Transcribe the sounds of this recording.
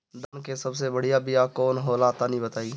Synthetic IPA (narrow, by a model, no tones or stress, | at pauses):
d̪ankesɐbs̬ebəɽ̤ijabijakɔːnɦoːlaːt̪anəɦĩbət̪aːi